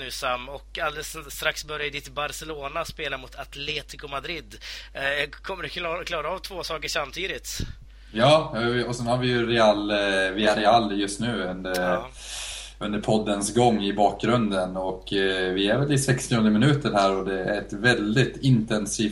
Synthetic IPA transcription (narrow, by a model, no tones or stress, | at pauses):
ʉːsamːɔkald̪ɛsst̪ɾaksbœɾjad̪ɪt̪baɾsɛloːnaspeːlamʊt̪ʰat̪ʰleːt̪ɪkʊmad̪ɾɪd̪ | kʰɔmːəɖɵkʰnɔkʰlɑːɾaɑːvt̪ʰvoːsɑːkəʂamːt̪ʰiːd̪ɪt̪ | jɑːɔsɛnhaɾvɪjɵɾɛalːvɪæɾɛalːjɵst̪nʉ̟ːɵnd̪ə | ɵnd̪əɾpʰɔd̪ːənsɡɔŋːɪbɑːk̚ɡɾɵnd̪ənɔkːvɪæɾvɛlɪsɛkst̪ɔɵnd̪əmɪnʉ̟ːt̪əɾhæːɾɔd̪ɛæ̰ɾɛt̪vɛld̪ɪt̪ɪnt̪ɛnsiːf